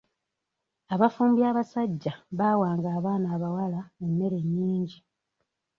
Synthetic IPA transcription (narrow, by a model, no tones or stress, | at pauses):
aβafuːmbjaːβasaɟːaβaːwaːŋɡaːβaːnaːβawalaenːe̞ɾe̞ɲːiːɲɟi